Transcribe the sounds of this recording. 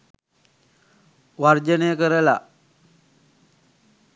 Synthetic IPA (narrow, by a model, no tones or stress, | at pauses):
ʋaɾd͡ʒənekəɾəla